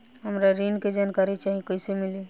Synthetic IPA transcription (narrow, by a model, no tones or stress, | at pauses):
ɦəmɾaɾinked͡ʒankaɾit͡ʃaɦikəjsemili